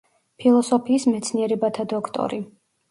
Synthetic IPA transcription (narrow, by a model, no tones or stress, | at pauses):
pʰilˠɔsɔpʰiːsmɛt̪sʰniɛɾɛbat̪ʰad̪ɔkʰt̪ʼɔ̰ɾi